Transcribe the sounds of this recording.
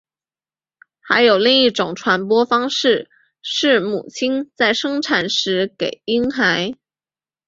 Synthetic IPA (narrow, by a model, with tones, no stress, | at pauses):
xa˧˥ɪjo˨˩ʊli˥˧ŋi˥˩ʈ͡ʂʊ˨˩ŋʈ͡ʂʰwa˧˥npwɔ˥fɑ˥ŋʂɻ̩˥˩ | ʂɻ̩˥˩mṵ˨˩t͡ɕʰi˥nt͡sa˥˩ɪʂɤ˥ŋʈ͡ʂʰa˨˩nʂɻ̩˧˥ke˨˩ɪi˥ŋxa˧˥ɪ